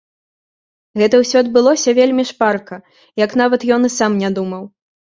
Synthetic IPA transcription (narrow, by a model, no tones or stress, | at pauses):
ɣɛt̪ɐwsʲɔɐd̪̚bɨlˠɔsʲɐvʲelʲmʲiʂparkɐ | jɐkn̪avɐt̪jɔnɨsamnʲad̪umɐw